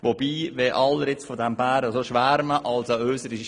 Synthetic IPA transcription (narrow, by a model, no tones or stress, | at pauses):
ʋob̥iːʋeʔɑlːəɾɪt͡sfɔd̪æmbæːɾəsoʃʋæɾməʔɑlsəøːsəɾi